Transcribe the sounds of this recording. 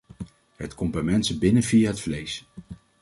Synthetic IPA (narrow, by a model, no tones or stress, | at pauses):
ɦətkɔmbɛjmɛntsəbɪnənvijaɦətflejs